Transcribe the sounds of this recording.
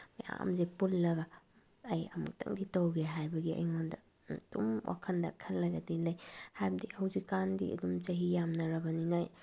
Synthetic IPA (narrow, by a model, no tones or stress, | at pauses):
maja̰a̰mzepulːɐɡa | ɐjɐmṵk̚tɐ̰ŋditɐwɡeɦajbɐɡiɐ̰jŋondɐ | dumwʔa̰kʰɐndɐ̰kʰɐlːɐɡɐdilɐjhajbɐdihɐwzikːandḭɐ̰dumt͡ʃɐɦijamnɐɾɐbɐninaj